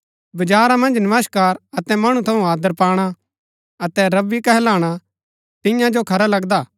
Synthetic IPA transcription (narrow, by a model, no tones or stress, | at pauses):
bɐd͡ʒaːɾãmɐ̃nd͡ʒnɐmaskaːɾɐt̪ɛmɐɽ̃ut̪ʰɐũaːd̪əɾpaːɽ̃a | ɐt̪ɛɾɐbːikɛɦɛlaːɽ̃a | t̪ɪ̃jãd͡ʒokʰɐɾalɐɡd̪aː